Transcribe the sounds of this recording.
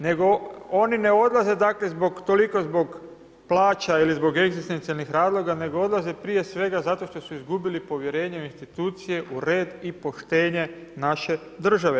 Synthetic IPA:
ne̞ɡo̞onine̞o̞d̪lˠaze̞d̪akle̞zbo̞ɡt̪o̞liko̞zbo̞ɡ | plˠaːt͡ʃailizbo̞ɡe̞ɡzist̪ent̪ialnixɾaːzlˠo̞ɡane̞ɡo̞o̞d̪lˠaze̞pɾije̞sʋe̞ɡazat̪o̞ʃt̪o̞suizɡubilipo̞ʋje̞ɾe̞ːɲeinst̪it̪uːt̪sije̞ʔuɾe̞ːd̪ipo̞ʃt̪e̞ːɲe̞naʃe̞ | d̪r̩ʒaʋe

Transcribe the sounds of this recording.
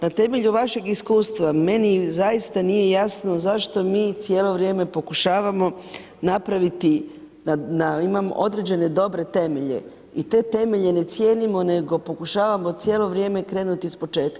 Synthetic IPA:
nat̪e̞me̞ʎuʋaʃe̞ɡiskuːst̪ʋame̞nizajist̪anije̞jasno̞zaʃt̪o̞miːt̪sjeːlo̞ʋɾje̞ːme̞po̞kuʃaːʋamo̞ | napɾaʋit̪i | anaimamo̰ʔo̞d̪ɾe̞d͡ʑe̞ne̞d̪o̞bɾe̞t̪e̞me̞ʎḛ | it̪e̞ːt̪e̞me̞ʎe̞ne̞t̪sje̞ːnimo̞ne̞ɡo̞po̞kuʃaːʋamo̞t̪sje̞ːlo̞ʋɾje̞ːme̞kɾe̞ːnut̪iispo̞t͡ʃe̞ːt̪̚ka

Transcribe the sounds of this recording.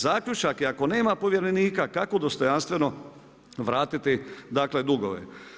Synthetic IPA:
zaːkʎut͡ʃakiako̞ne̞ːmapo̞ʋje̞ɾeniːkakakod̪ost̪o̞janst̪ʋe̞no̞ | ʋɾaːt̪it̪id̪aːkle̞d̪uɡoʋḛ

